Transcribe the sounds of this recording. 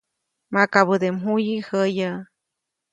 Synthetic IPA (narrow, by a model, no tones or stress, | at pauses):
mãkaβɨd̪emɦujihəja